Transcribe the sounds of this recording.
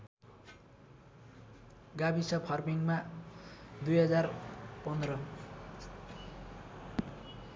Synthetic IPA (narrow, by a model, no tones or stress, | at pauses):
ɡabisʌpʰʌrmiŋma | d̪ujɦʌd͡zarpʌnd̪rʌ